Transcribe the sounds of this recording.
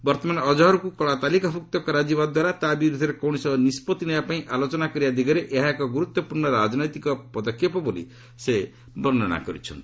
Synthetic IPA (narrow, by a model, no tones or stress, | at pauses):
bʌɾt̪ɔmanɔd͡ʒɔɦʌɾukukɔɭat̪alikapʰuk̚t̪ɔkɔɾad͡ʒibad̪waɾat̪abiɾud̪ʱʌɾekɔwnisʌnispɔt̪inʌjapaĩʔalot͡ʃɔnakɔɾijad̪iɡʌɾeʔeɦakɔɡuɾut̪wɔpuɾnʌɾad͡ʒnɔjt̪ikɔpʌd̪ɔkʰjepɔbolḭ | se | bɔnːna̰kɔɾḭt͡ʃʰʌ̰n